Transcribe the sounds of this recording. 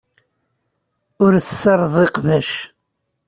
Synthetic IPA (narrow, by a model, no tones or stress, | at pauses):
ʊɾθəsɑɾˤðˤiqvæʃ